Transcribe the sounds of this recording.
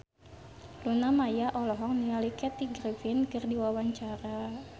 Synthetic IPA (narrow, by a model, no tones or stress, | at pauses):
lunamajaʔɔlɔɦɔŋ̚nialikɛt̪iɡɾifɪnkɨrdiwawaɲt͡ʃaɾa